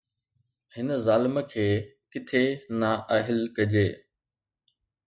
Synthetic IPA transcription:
hɪnzaːlɪməkʰeːkɪt̪ʰenaːʔəɦɪlkɐd͡ʑeː

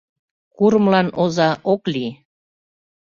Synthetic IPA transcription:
kuɾmlɑnozɑʔokli

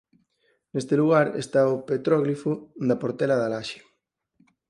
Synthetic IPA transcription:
nest̪eluɣaɾḛst̪aʊpet̪ɾɔɣlifʊðɐpoɾt̪ɛlɐðalaʃe̥

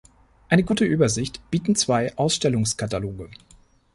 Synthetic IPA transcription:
ʔaɪnəɡuːtəʔyːbɐzɪçtb̥iːtn̩t͡sv̥aɪʔaʊsʃtɛlʊŋskʰataloːɡə

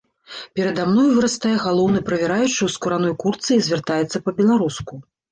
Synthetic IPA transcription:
pʲɛɾɐd̪amnɔjvɨɾɐst̪ajɛɣalˠɔwnɨpɾɐvʲɛɾajut͡ʂɨwskuɾanɔjkurt̪sɨizʲvʲɛrt̪ajɛt̪sːɐpɐbʲɛlˠaɾusku

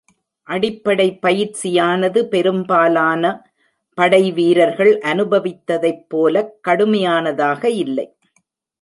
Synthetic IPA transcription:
ʔɐɽɪpːɐɽɐɪpːɐjɪɾt͡ʃɪjaːnɐðɯpɛɾɯmbaːlaːnɐ | pɐɽɐɪʋiːɾɐɾɣɐɭʔɐnɯbɐʋɪt̪ːɐðɐɪpːoːlɐkːɐɽɯmɐjaːnɐðaːɣɐɪlːɐ̰ɪ

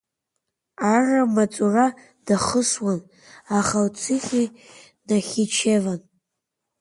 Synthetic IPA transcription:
aramat͡sʼura | d̥aχəswan | aχawt͡sʰɨχʲi | naχʲit͡ʃʰevan

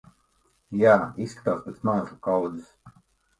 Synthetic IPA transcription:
jaːisːkḁt̪aːspɛt̪smaːʒukawd̪zɨs

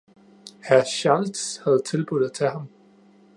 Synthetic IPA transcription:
hæɐɕɑld̥shæð̞̩ˠt͡sʰe̝lb̥uðˠð̩ˠt͡sʰeɦɑ̈m

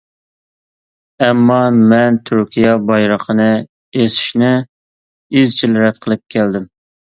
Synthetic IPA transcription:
ɛmːɑmɛnt̪ʰyɾkʲʰijɛbɑjɾəqʰənɨ | esi̥ʃnɪ | izt͡ʃʰilɾɛt̪̚qʰəlˠɨp̚kʲʰæld̪ɪm

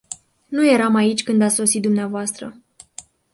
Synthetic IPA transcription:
nuje̞ɾamait͡ʃʲkɨnd̪at̪so̞sit̪̚d̪umneavoast̪ɾə

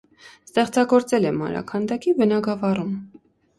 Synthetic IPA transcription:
st̪ɛχt͡sɑɡɔɾt͡sɛlɛmɑ̰ɾɑ̰kʰɑnd̪ɑkivənɑɡɑvɑrum

